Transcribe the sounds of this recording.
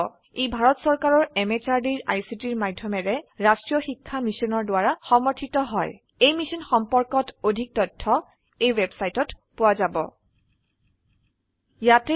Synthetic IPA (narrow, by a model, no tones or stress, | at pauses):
ejbʱaɹɔtsɔɹkaɹɔɹɛmet͡ʃaɹdiɹa̰jsitiɹmadʱjɔmɛɹɛɹastɹijɔxikʰːamisɔnɔɹdʊwaɹaxɔmɔɹtʰitɔɦɔj | ejmisɔnxɔmpɔɹkɔtodʱik̚tɔtʰːɔ | ejwebsajtɔt | pʊwazabɔ̰ | jatɛ